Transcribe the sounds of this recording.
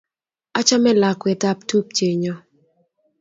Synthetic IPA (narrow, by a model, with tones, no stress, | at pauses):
a˦t͡ʃa˦mɛ˦la˨kwɛ˨ta˦˨p̚tu˦p̚t͡ʃe˨ɲɔ˦